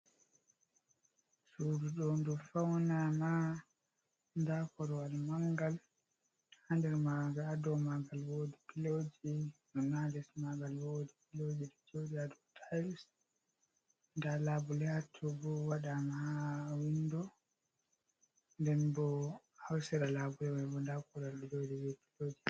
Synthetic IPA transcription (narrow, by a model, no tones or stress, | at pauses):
suduɗɔndufawnama | ndakɔɾwalmaŋɡal | handɛɾmaɡaadɔmaɡalwodipilod͡ʒidɔnalɛsmaɡalwodipilod͡ʒiɗɔd͡ʒodiadɔtʰajls | ndalabulɛhatʰːɔbɔwaɗamaawindɔ | ndɛnbɔ | hawsɛɾalaːbulɛwabɔndakɔɾalɗɔd͡ʒodiwɛkilod͡ʒi